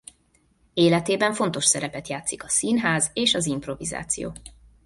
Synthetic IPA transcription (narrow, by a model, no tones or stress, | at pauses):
eːlɛt̪eːbɛɱfo̞n̪t̪o̞ʃsɛɾɛpɛt̪jaːt̪sikɒsinɦaːzeːʃɒzimpro̞viza̰ːt̪sijo̰ː